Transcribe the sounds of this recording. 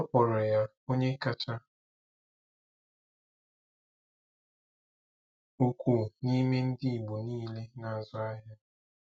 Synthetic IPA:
ɔ˦pɔ˨ɾɔ˨ja˦ | o˦ɲe˦ka˦t͡ʃa˦ | u˦kʷu˨ni˦me˦n̩˦di˦i˨ɡ͡bu˨niː˦le˦na˨a˨zʊ˦a˦ɦa˦

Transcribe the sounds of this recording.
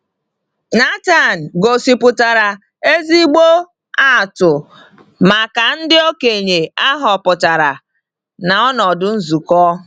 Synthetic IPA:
na˦ta˦˨n̩˨ɡo˨si˨pʊ˨ta˨ɾa˨ | e˦zi˦ɡ͡bo˦ | a˦˨tʊ˨ | ma˨ka˨n̩˦dɪ˦o˦ke˨ɲe˨a˦ɦɔ˨pʊ˨ta˨ɾa˨ | na˨ɔ˦nɔ˨dʊ˦n̩˦zu˨kɔ˦

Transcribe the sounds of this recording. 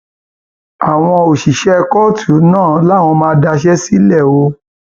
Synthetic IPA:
a˨w̃ɔ̃˧o˨ʃi˨ʃɛ˦˧kɔ˦tʰu˨˦nãː˦˨˦la˦˨w̃ɔ̃˧mãː˧˦da˧ʃ̬ɛ˦si˦lɛ˦˨o˧˦

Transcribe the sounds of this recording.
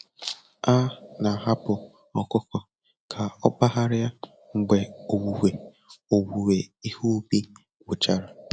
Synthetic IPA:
a˦na˨ɦa˦pʊ˨ | ɔ˨kʊ˦kɔ˨ | kʰa˨ɔ˦k͡pa˦ɦa˦ɾɪ˦ja˦ | ŋ͡m̩˨ɡ͡be˨o˨wu˨we˨ | o˨wu˨we˨i˦ho˦bi˦ | wʊ˨t͡ʃa˨ɾa˨

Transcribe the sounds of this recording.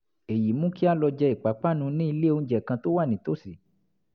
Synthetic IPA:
e˨ji˨mũ˦ki˦a˦lɔ˧d͡ʒɛ˧i˨k͡pa˨˦k͡pa˦˨nũ˧nĩ˦i˧le˦o˧˦d͡ʒɛ˨kã˧to˦wa˦˨nĩ˨to˦si˨

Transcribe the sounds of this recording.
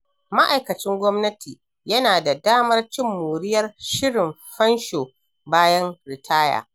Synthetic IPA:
ma˦ʔa˨jkɐ˨t͡ʃɪ˦ŋɡʷɔ˦mnɐ˦tiː˨ | jɐ˦naː˨da˨daː˦mɐ˦rt͡ʃɪ˦mːuː˨ɽɪ˦jɐ˦rʃɪ˦ɽɪ˨m | ɸɐ˦nʃoː˨ | baː˦jɐ˦nɾɪ˨tʰaː˦ja̰ː˨

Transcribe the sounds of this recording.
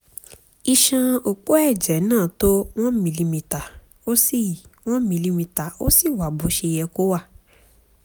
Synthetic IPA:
i˧ʃã˧o˧k͡po˦ɛ˦˨d͡ʒɛ˨˦nãː˦˨˦to˦w̃ɔ̃˦mĩ˧li˧mĩ˨˧ta˨ | o˦si˦˨w̃ɔ̃˦mĩ˧li˧mĩ˧ta˨o̰˦si˦˨wa˨bo˨˦ʃe˧jɛ˧ko˦wa˦˨

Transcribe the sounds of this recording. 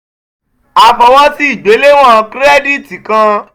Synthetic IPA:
a˧fɔ˧w̃ɔ̃˦ti˦i˦˨ɡ͡be˨˦le˦w̃ɔ̃˦kɾɛ˦di˦ti˨kã˧

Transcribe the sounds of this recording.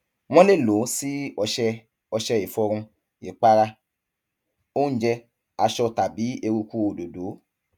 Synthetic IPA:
w̃ɔ̃˦le˦˨lo˨˦si˦ɔ˧ʃɛ˧ | ɔ˧ʃɛ˧i˨fɔ˧ɾ̃ũ˧ | i˨k͡pa˦ɾa˧ | o˦n̩˦d͡ʒɛ˧ | a˧ʃɔ˧ta˨bi˨˦e˧ɾu˧ku˦o˨do˨do˨˦

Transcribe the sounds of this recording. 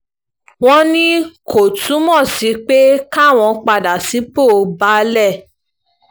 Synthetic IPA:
w̃ɔ̃˦nĩ˦ko˨tʰũ˨˦mɔ̃˦˨si˨˦k͡pe˦ka˦˨w̃ɔ̃˧k͡pa˧˨da˨si˨˦po˦˨˧ba˦lɛ˦˨

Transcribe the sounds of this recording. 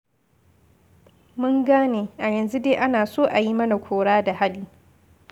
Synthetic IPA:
mʊ˦ŋɡaː˦neː˨ʔa˨jɐ˨nzu˦deː˦ʔa˦naː˨soː˦ʔa˨ji˦mɐ˦na˨kʷʰoː˨ɽaː˦da˨ha˦liː˦

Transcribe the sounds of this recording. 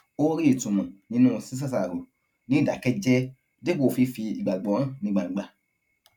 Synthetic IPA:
o˦ɾi˦i˨tũ˨mũ˨nĩ˧˦nũ˦˧si˦s̬a˦˨sa˨ɾo˨ | nĩ˨˦˨da˨kɛ˦d͡ʒɛ˦ | de˦ko˦˨fi˧fi˧i˨ɡ͡ba˨ɡ͡bɔ˨˦ã˦˨nĩ˧ɡ͡ba˨ĩ˨ɡ͡ba˨

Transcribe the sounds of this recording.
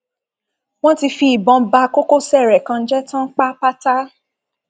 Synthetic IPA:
w̃ɔ̃˦ti˧fi˧i˨bɔ̃˨˧ba˧ko˦ko˦sɛ˦˨ɾɛ˨kã˧n̩˦d͡ʒɛ˦tã˦k͡pa˦k͡pa˦ta˦

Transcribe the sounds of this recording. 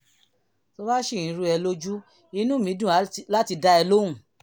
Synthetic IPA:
to˧ba˦ʃe˦˨ĩ˨˦ɾu˧˦ɛ˧lo˦d͡ʒu˦ | i˧˦nũ˦mĩ˨˦dũ˦˨˦la˦ti˧da˧ɛ˧lo˦ũ˨

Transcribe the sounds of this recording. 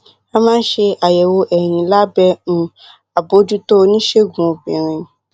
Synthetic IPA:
a˧mãː˦n̩˦ʃe˧a˨jɛ˨wo˧ʔɛ˨j̃ĩ˨la˦bɛ˧˦nũ˧ | a˨bo˨˦d͡ʒu˦to˦˧nĩ˦ʃe˦˨ɡũ˨o˨bĩ˨ɾ̃ĩ˧

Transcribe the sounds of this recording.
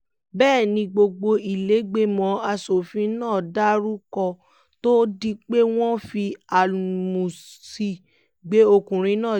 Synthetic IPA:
bɛː˦˨nĩ˧ɡ͡bo˧ɡ͡bo˧i˨le˨˦ɡ͡be˦mɔ̃˨˦a˧so˨fĩ˨˦nãː˦˨da˦ɾu˦kɔ˧ | to˦di˧k͡pe˦w̃ɔ̃˦fi˧a˨mũ˨si˧ | ɡ͡be˨˦o˧kũ˨ɾ̃ĩ˧˦nãː˦˨

